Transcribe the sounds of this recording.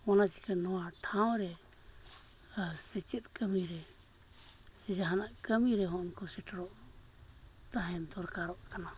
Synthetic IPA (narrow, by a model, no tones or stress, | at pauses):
ɔnat͡ʃi̥kanɔwaʈʰãw̃ɾɛ | sɛt͡ʃɛt̪̚ˀkəmiɾɛ | sɛd͡ʒaɦanaʔkəmiɾɛɦɔ̃nkɔsɛʈʰɾɔʔ | t̪aɦɛ̃d̪ɔɾkaɾɔʔkana